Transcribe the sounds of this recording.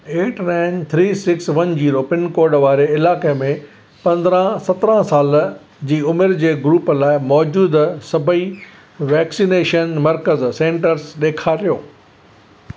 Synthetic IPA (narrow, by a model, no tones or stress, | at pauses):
eːʈnãɪnt̪ʰɾiːsɪksʋɐnd͡ʑiːɾoːpɪnkoːɾɖʋaːɾeɪlaːkemẽ | pɐ̃nd̪ɾãsɐt̪ɾãsaːl | d͡ʑiːʊmɪɾd͡ʑeːɡɾuːplaːɪmɔːd͡ʑuːd̪sɐbʱəi | ʋɛːksiːneːʃənmɐɾkəzsẽːɳʈəɾsɗeːkʰaɾijoː